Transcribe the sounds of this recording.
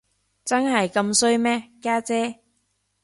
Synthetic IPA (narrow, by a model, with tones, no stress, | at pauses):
t͡sɐ˥nɦɐ˨jkɐ˧msɵ˥ɥmɛː˥kaː˥t͡sɛː˥